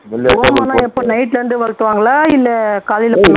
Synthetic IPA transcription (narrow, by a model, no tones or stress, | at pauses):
ʊɐmaːnãːɛpːoːnɐɪʈlɐnɖɯʋɐɻt̪ːɯʋaːŋɡɐɭaːɪlːɛkaːlɪlpːɐnː